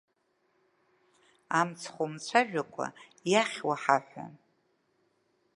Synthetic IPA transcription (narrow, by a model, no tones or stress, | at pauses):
amt͡sʰχʷomt͡sʷʰaʒᶣakʷʼa̰jaχʲwaħaħʷa̰